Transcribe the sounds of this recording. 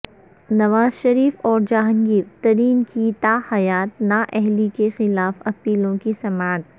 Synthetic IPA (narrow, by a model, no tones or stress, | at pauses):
nɐʋaːzʃɐɾiːfɔːɾd͡ʒaːɦə̃ŋɡiːɾt̪ɐɾiːnkit̪aːhɐjaːt̪̚naʔɛɦlikexɪlaːfɐpiːlõkisɐmaːt̪̚